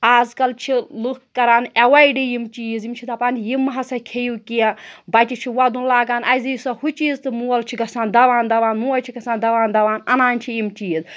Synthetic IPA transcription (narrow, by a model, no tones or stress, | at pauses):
aːzkɐlt͡ʃʰilukkːɐɾaːnɐwɐiɖijimt͡ʃiːzimt͡ʃʰit̪ɐpaːnjimːɦɐsɐkʰejukiɐbɐt͡ʃʲit͡ʃʰiwɐd̪unlaːɡaːnɐjzijisɐhut͡ʃiːzt̪ɨmuwɐlt͡ʃʰiɡɐsaːnd̪ɐʋaːnd̪ɐʋaːnmuwɐlt͡ʃʰiɡɐsãːnd̪ɐʋaːnd̪ɐʋaːnɐnaːnʲt͡ʃʰiimt͡ʃiːz